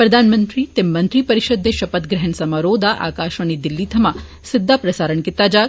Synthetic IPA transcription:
pɾɐd̪ʱanmə̃nt̪ɾit̪emːɐ̃nt̪ɾipɐɾɪʃəd̪ʱjeʃɐpət̪ɡɾɛɦənsɐmaɾoːd̪aʔa̰ːkaʃʋɐnid̪ɪlːiːt̪ʰɐma | sɪd̪ʱːapɾɐsaːɾəɳkɪt̪ːad͡ʒa

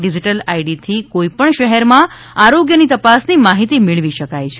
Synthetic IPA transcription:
ɖid͡ʒiʈəlaiɖit̪ʰikoipəɳʃəɦɛɾmã | aɾoɡjənit̪əpasnimaɦit̪imɪɭʋiʃəkajt͡ʃʰe

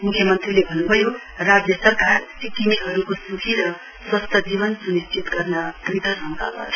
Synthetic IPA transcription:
mukʰjʌmʌnt̪rilebʱʌnːubʱʌjo | rad͡zjʌsʌrkarsikinikɦʌɾukosukʰiɾʌ | swʌst̪ʰʌd͡ziβʌnsunist͡ʃʰit̪ɡʌrnʌkrit̪ʌsʌnda̰la̰tʰ

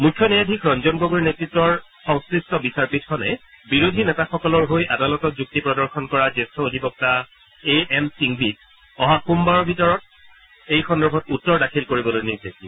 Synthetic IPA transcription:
mujkʰːjɔnɛjadʱikʰɹɔnzɔnɡoɡoɹinetɹitːɹɔɹ | sɔ̃ŋskɹistɔbisaɹpitkʰɔnɛ | biɹodʱinɛtaxɔkɔlɔɹɦojʔadalɔtɔt̚zuk̚tipɹɔdɔɹxʰɔnkɔɹazestɹɔodʱipɔk̚ta | eɛmsiŋbit | ɔɦakumbaɹɔbʱitɔɹɔt̚ | ejxɔndɛɹbʱɔtutːɔɹdakʰilkoɹibɔlojniɹzekiɔ

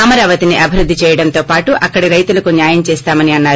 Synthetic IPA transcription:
ɐmɐɾaːʋɐt̪iniʔɐbʱiɾud̪ʱːit͡ʃɛːjɐɽɐnt̪oːpaːʈuʔɐkːɐɽiɾɐjt̪ulɐkunjaːjɐmt͡ʃɛːst̪aːmɐniɐnːaːɾu

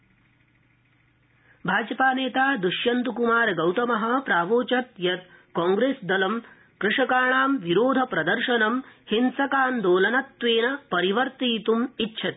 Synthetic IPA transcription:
bʱaːd͡ʒɐpaːneːt̪aːd̪uʃjɐnt̪ukumaːɾɡɐwt̪ɐmɐɦɐ̆pɾaːʋoːt͡ʃɐt̪jɐt̪̚kɔːŋɡɾeːsd̪ɐlɐm | kɾɪʂɐkaːɳaːmʋiɾoːd̪ʱɐpɾɐd̪ɐɾʃɐnɐmhinsɐkaːnd̪oːlɐnɐt̪ʋeːnɐpɐɾiʋɐɾt̪iːt̪umitːʃʰɐt̪i

